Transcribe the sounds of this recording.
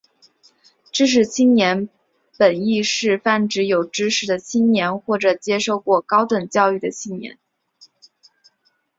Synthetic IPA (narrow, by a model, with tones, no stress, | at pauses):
ʈ͡ʂɻ̩˥ʂ̬ɻ̩˨˩t͡ɕʰi˥ŋnjɛ˧˥n | pə˨˩ni˥˧ʂɻ̩˥˧fa˥˩nʈ͡ʂɻ̩˧˥jo˨˩ʊʈ͡ʂɻ̩˥ʂɻ̩˨˩d̪ə˧t͡ɕʰi˥ŋnjɛ˧˥nxwɔ˥˩ʈ͡ʂɤ˨˩t͡ɕjɛ˥ʂo˥˧ʊkwɔ˥˩kɑ˥ʊt̪wə˨˩ŋt͡ɕjɑ˥˧ʊy˥˩d̪ə˩t͡ɕʰi˥˩njɛ̰˧˥n